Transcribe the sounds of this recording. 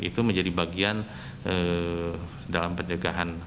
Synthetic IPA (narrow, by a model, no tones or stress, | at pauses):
ḭt̪uməɲd͡ʒadibaɡian | ə | dalampəɲəɡaɦan